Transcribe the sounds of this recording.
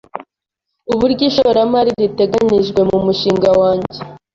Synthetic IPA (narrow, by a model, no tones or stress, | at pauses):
uβuɾɟiʃoɾamaɾiɾite̞ɡaɲiʒɡwe̞mumuʃiːŋɡawaːɲɟe